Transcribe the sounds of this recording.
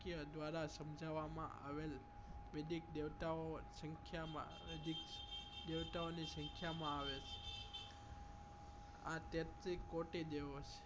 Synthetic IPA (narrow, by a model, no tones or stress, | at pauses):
kijəd̪ʋaɾasəmd͡ʒʱaʋamã̰ʔa̰ʋel | med̪ʱik̚d̪eʋt̪aosəŋkʰjamã̰ | ʋed̪ʱikd̪eʋt̪aonisəŋkʰjamãaʋet͡ʃʰe̥ | a̰t̪et̪ɾikːoʈid̪eʋot͡ʃʰe̥